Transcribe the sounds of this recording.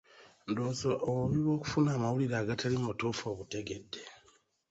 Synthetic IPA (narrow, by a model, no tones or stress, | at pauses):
ndoːzoʔoβuβiβo̞ːku̥funaːmawuliɾaːɡatalimotofoβute̞ɡe̞dːe